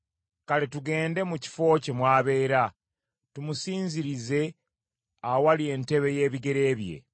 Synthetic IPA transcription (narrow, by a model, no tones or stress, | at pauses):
kaletuɡe̞ːnde̞muci̥fo̞ːcemwaːβe̞ːɾa | tumusiːɲziɾize̞ | awalie̞nte̞βe̞je̞ːβiɡe̞ɾe̞ːβje̞̰